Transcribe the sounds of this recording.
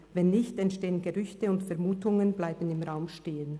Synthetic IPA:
vɛnːɪçtɛntʃteːənɡəʁʏçtəʊntfɛɐmuːtʊŋənblaɪbən̩ɪmʁaʊmʃteːən

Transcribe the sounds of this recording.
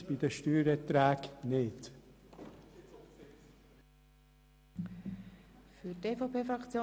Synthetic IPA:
b̥id̪əʃtyːɾət̪ɾæːɡnɪt̪ | fyteːfopeːfɾɑkt͡sjoː

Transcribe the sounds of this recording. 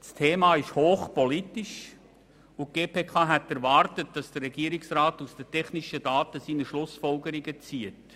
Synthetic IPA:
stʰeːmɑːɪʃhoːχpɔlitiʃ | ʊɡ̥eːpʰeːkʰɑːɦɛtːɛɾvɑːɾtət̚d̥ɑsd̥ərɾɛɡ̥iːɾɪksraːtusd̥ətʰɛχniʃəd̥ɑːtəsiːnəʃlʊsfɔlɡəɾiɡət͡siət

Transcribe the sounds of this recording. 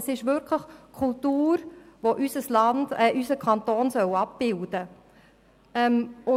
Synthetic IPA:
sɪʃʋʏɾkʰləχkʰʊltuːɾʋoʔysəslɑndɛʔysəkʰɑntoːnsœwɑp̚b̥ɪld̥ə | ɛmʊ

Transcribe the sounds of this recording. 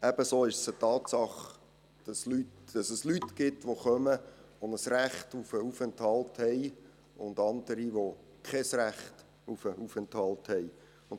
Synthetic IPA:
ɛb̥əsoːɪʃsətɑːtsɑχ | d̥ɑslytd̥ɑsəslytɡ̥ɪtʋoχœmə | onəsræχtufəufɛnthɑlthɛɪ | ʊ̰ndɑnd̪əɾiʋo | kʰχɛsræχt | ufəufɛnthɑlthɛj | ʊn

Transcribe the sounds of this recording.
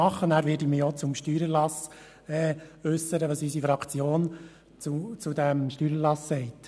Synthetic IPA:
ɑχːənæːɾʋɪːɾdimijɔt͡sʊmʃtyːɾəlɑs | ɛːœsːəɾəʋɑːsysifɾɑkʰt͡sjoːn | t͡sut͡sudæmʃtyːɾəlɑsːɛɪt

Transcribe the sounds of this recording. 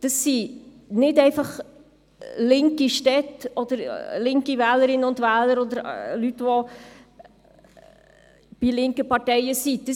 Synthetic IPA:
d̥əsːi | nɪtɛɪfɑχ | lɪŋkiʃtɛtɔd̥̪əɾlɪŋkivæːləɾɪnʊndvɛːləɾɔd̪əɾlytʋo | b̥ilɪŋkəpɑʁtɛɪəsid̥ə

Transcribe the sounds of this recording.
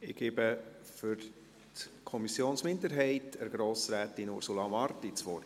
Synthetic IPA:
ɪɡ̥ebə | fʏɾ | tkʰɔmisjoːnsmɪndəɾɦɛɪtʰəɾɡ̥ɾoːsɾæːtinṵɾsulɑmɑɾtit͡sʋɔɾ

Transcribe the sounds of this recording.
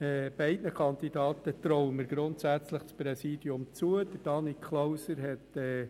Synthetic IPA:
ɛb̥ɛɪdnəkʰɑnd̪idɑːt̪ət̪ɾɔwəməɾɡɾʊntsæt͡sləχspɾɛsiːd̥iʊmt͡suəd̥əɾd̥ɑnikʰχlɔwsəɾɦɛtɛː

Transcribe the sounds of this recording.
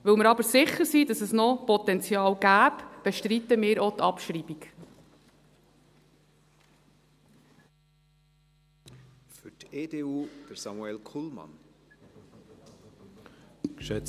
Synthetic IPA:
ʋɵlmɪɾɑbəɾsɪχəɾsidɑsɛsnɔpɔt̪ɛnt͡sjɑːlɡæːpb̥ɛʃtɾit̪əmɪːɾot̪ɑpʃɾiːbik | fʏteːdeːuːd̪̥əɾsɑmuɛlkʰulmɑ̰n | kʃɛt͡s

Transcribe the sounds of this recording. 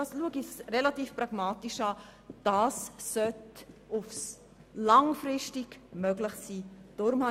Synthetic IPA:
ɑsluəɡɪsrɛlatiːfprɑɡ̥mɑːtiʃɑː | d̥ɑːsːœtʊfs | lɑŋfrɪʃtɪɡmœɡlɪχsiːd̥ɔɾmhɑ

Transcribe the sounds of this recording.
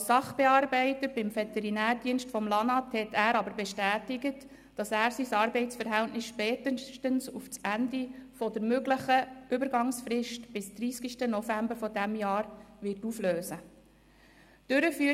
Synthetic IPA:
sɑχb̥ɛɑːrbɛɪtətbɪmfɛt̪ɛɾinæːɾdiənstfɔmlɑnɑthɛtʰæːɾɑbəɾbɛʃtæːtɪɡət | d̥ɑsæːɾsisɑːɾbɛɪt͡sfəɾɦæltnɪsʃpɛːtətənsuft͡sændifɔdəɾmøɡləχəʏbəɾɡɑŋsfɾɪʃtb̥ɪsd̪̥ɾiːskiʃtənɔfæmbəɾfɔdæmjɑːɾʋɪrtufløːsə | d̥ʏɾəfyː

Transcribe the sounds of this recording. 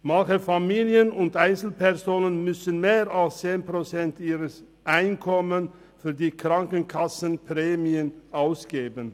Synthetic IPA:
mançəfamiːljənʊntʔaɪnt͡sl̩pɛʁzoːnənmʏsənmeːʁalst͡seːnpʁ̥ot͡sɛntiːʁəs | ʔaɪnkʰɔmən | fyːɐdiːkʁ̥aŋkən̩kʰasənpʁeːmiənʔaʊsɡ̥eːbən

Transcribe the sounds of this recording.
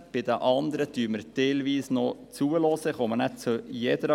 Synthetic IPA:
b̥ɪd̪əʔɑnd̪əɾəd̥̪yːɾməɾd̥eːlʋiːsnot͡suəlɔːsəχɔmənɛt̚t͡sujɛd̪əɾ

